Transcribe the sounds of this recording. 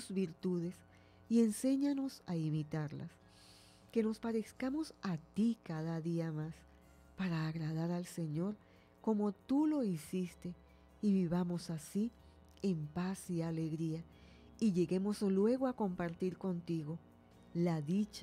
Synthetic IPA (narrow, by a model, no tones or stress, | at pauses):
zβiɾt̪uðe̞s | ie̞nse̞ɲano̞saimit̪aɾla̰s | ke̞no̞spaɾeskamo̞sat̪ikaðaðiamas | paɾaːɣɾaðaɾalse̞ɲo̞ɾ | ko̞mo̞t̪ulo̞isist̪e̞ | iβiβamo̞sasi | e̞mpasiale̞ɣɾia | iʝe̞ɣe̞mo̞slwe̞ɣo̞ako̞mpaɾt̪iɾko̞nt̪iɣo̞ | laðit͡ʃ